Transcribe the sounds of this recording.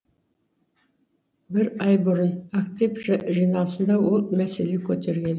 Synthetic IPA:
bɪɾɑjbʊɾənak̚t̪ijpʒʒijnɑlˠsənd̪ɑwo̞lˠmæse̞le̞kʲʰɵt̪e̞ɾɡʲe̞n

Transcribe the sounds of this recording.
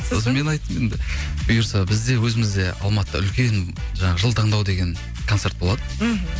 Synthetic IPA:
sos̬nme̞nɑjt̪əmjend̪ɪb̥ʊjəɾsɑbɪzd̪e̞wɵzɪmɪzd̪e̞ɑ̰lˠmɑt̪əɑ̰ʏlkʲe̞nʒɑɴɑʁəʒəlˠt̪ʰɑɴd̪ɑwd̪e̞ɡʲe̞ŋ | kʰo̞nse̞ɾt̪̚bo̞lˠɑd̪ə

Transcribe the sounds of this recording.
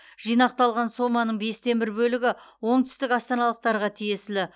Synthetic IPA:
ʒ̥ijnɑq̚t̪ɑlˠʁɑnso̞mɑnəɴbe̞st̪e̞nbɪɾbɵlɪɡʲɪwo̞ɴt̪ʰʏ̥st̪ɪkɑst̪ɑnɑlˠəq̚t̪ɑɾʁɑt̪ʰije̞sɪlɪ

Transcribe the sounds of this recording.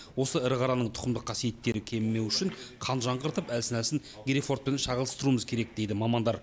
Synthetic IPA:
wo̞səɪɾʁɑɾɑnəɴt̪ʰʊ̥qəmd̪əqʰːɑsije̞t̪ːe̞ɾɪkʲʰe̞mːe̞wʏʃɪɴqʰɑnʒɑɴʁəɾt̪əpælsɪnælsɪŋ | ɡʲɾifo̞ɾt̪̚pe̞nnʃɑʁəlˠəst̪əɾuəməzkʲʰe̞ɾe̞k̚d̪e̞jd̪ɪmɑmɑnd̪ɑɾ

